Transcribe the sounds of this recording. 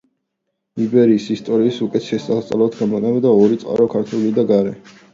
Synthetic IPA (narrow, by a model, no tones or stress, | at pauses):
ibɛɾiːsist̪ʼɔɾiːsukʼɛt̪ʰʃɛsʼast̪sʼalˠat̪ʰɡamɔnɛmd̪aɔɾit̪sʼqʼa̰ɾɔkʰaɾt̪ʰulid̪aɡaɾɛ